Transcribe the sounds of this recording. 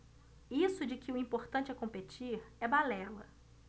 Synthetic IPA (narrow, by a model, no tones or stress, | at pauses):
isʊd͡ʒɪkɪʊĩpoɾt̪ɐ̃nt͡ʃɪɛkõpet͡ʃiɾɛbalɛlɐ̰